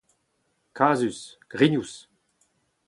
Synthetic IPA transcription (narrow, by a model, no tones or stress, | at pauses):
kʰaːzysɡ̥ʁiɲus